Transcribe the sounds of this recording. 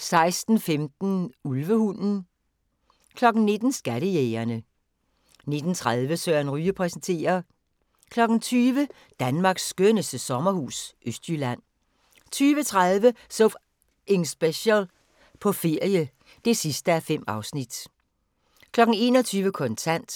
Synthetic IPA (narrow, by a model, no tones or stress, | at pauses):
sɑ̈ɪsd̥n̩femd̥n̩ulʋəhunn̩ | kʰlɒ̽ɡ̥n̩ne̝d̥n̩sɡ̥æɾəjeːɐnə | ne̝d̥n̩t͡sʰʁaðˠʋəsøɐ̰nʁyːəpʰʁɛsn̩t͡sʰe̝̰ːɐ | kʰlɒ̽ɡ̥n̩t͡sʰyːʋə | d̥ænmɑ̈ːɡ̥sːɡ̥ønəsd̥əsɒ̽mɐhṵːsʔøsd̥jylæn̰ | t͡sʰyːʋət͡sʰʁaðˠʋəsof | ʔeŋsb̥eɕəl | pʰɒ̽fe̝ɐ̰jə | d̥e̝sisd̥əæfem̰ɑ̈ʊsnid̥ | kʰlɒ̽ɡ̥n̩e̝̰ːnɒt͡sʰyːʋəkʰɔ̽nt͡sʰæn̰d̥